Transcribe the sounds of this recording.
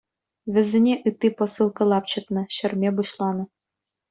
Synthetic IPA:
ʋʲɘ̆zʲĕnʲeʔɯt̪ːipɤ̆sɯlˠkɤ̆lˠɑp̚t͡ɕɤ̆t̪nɤ̆ɕɘ̆rʲmʲebuɕlˠɑnɤ̆

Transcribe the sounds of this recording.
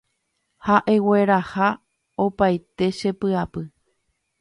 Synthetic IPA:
haʔe̞we̞ɾaha | o̞pajt̪e̞ʃe̞pɨapɨ

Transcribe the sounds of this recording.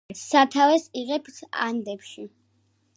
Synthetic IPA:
sat̪ʰavɛsiʁɛpsa̰nd̪ɛpʃi

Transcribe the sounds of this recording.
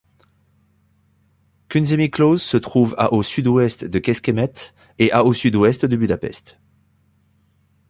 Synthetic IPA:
kʲynzemiklozsət̪χuva̰ʔosyd̪wɛst̪d̪əkʲɛskʲemɛt̪ | eʔaosyd̪wɛst̪d̪əbyd̪apɛ̰st̪

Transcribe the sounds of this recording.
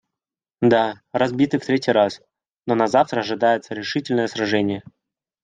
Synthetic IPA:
d̪a | rɐzbʲit̪ɨft̪ɾʲetʲijɾas | nonɐzaft̪ɾəɐʐɨd̪ajɪt̪səɾʲɪʂɨtʲɪlʲnəjəsɾɐʐɛnʲɪjə

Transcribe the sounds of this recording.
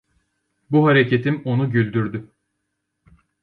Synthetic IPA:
buɦaɾecʰet̪ʰimo̞nuɟylʲd̪yɾd̪y

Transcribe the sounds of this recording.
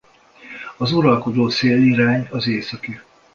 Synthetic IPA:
ɒzuɾɒlko̞d̪oːseːliɾaːɲɒzeːsɒky

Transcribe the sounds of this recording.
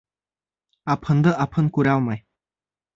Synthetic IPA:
apʰənd̪əʔapʰənkuɾawmaj

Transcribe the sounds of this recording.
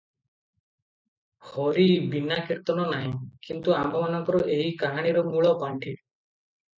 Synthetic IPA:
hɔɾibinakiɾt̪ɔnɔnaɦĩkint̪uamɔmanɔŋkɔɾɔʔeɦikaɦaɽ̃iɾomuɭɔpaɳʈʰi

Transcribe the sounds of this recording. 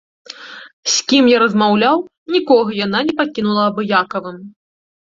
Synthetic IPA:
sʲkʲimjaɾɐzmawlʲaw | nʲikɔɣɐjan̪anʲɛpakʲinulˠɐːbɨjakɐvɨm

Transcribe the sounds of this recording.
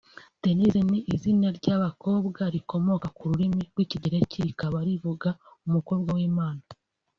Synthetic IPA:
te̞niziniʔizineɾɟaβako̞ːbɡaɾiko̞mo̞kakuɾuɾimiɾɡwiːciɟeɾeciɾikaβaɾivuɡaumuko̞ːbɡawiːmaːna

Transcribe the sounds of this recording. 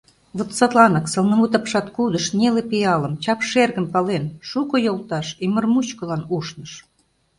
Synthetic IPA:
βot̪sɑt̪lɑnə̆ksɤ̆lnə̆mut̪ɑpʃɑt̪kud̪ə̆ʃnʲelepiɑlə̆mt͡ɕɑpʃerɣə̆mpɑlenʃukŏjolˠt̪ɑʃimə̆rmut͡ɕkɤ̆lɑnuʃnə̆ʃ

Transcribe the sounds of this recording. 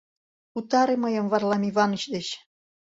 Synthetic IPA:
ut̪ɑɾeməjə̆mvɑrlɑmiβɑnət͡ɕd̪ĕɕ

